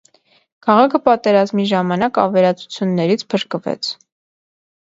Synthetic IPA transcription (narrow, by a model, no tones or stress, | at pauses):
kʰɑʁɑkʰəpɑt̪ɛɾɑzmiʒɑmɑnɑkɑ̰vɛɾɑt͡sʰu̥t͡sʰjunːɛɾit͡sʰpʰəɾkəvɛ̰t͡sʰ